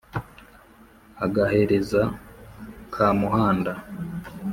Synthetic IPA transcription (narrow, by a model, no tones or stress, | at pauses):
aɡahe̞ɾe̞za | kʰaːmuhaːnda